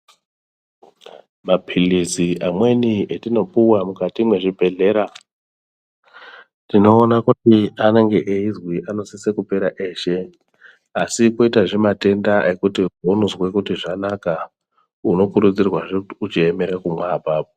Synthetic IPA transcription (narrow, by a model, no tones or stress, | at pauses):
mapʰiliziʔamwe̞nietino̞puwamukatimwe̞ʐibʱe̞ɮe̞ɾa | tino̞ːnakutiane̞ŋɡe̞ʔeizwiʔano̞sise̞kupe̞ɾaʔe̞ʃe̞ | asikoitaʐemate̞ndaʔe̞kutibʱonuzwe̞kutiʐanaka | uno̞kuɾut͡sirwaʐeuut͡ʃieme̞ɾakumwabʱaːpo